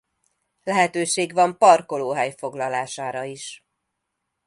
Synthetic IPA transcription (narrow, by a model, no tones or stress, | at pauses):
lɛɦɛt̪øːʃeːɡʋɒmpɒrko̞loːɦɛjfo̞ɡlɒlaːʃaːɾɒiʃ